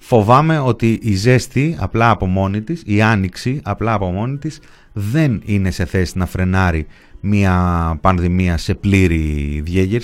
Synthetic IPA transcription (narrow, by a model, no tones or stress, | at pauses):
fo̞vɐme̞o̞t̪iʔize̞st̪iɐ̰plɐːpo̞mo̞nit̪isiɐniksiɐplɐːpo̞mo̞nit̪is | ðe̞nine̞se̞θe̞sinɐfɾe̞nɐɾi | miɐpɐnðimiɐse̞pliɾiðʝeʝeɾ